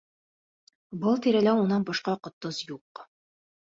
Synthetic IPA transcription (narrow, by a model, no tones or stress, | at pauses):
bɤlˠt̪iɾælæunɑnbɒʃqɑqŏt̪ːozjuq